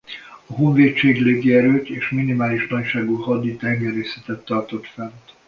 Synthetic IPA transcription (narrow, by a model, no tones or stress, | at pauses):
ɒɦoɱveːt̪t͡ʃeːɡleːɡiɛɾøːt̪eːʃminimaːliʃnɒcʃaːɡuɦɒd̪ːit̪ɛŋɡɛɾeːsɛt̪ɛt̪ːɒrt̪o̞t̪fɛnt̪